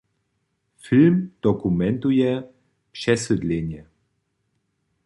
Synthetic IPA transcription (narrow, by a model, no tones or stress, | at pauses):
filmd̪̥ɔkumɛnt̪ujɛ | pʂɛsɨd̪lʲeɲjɛ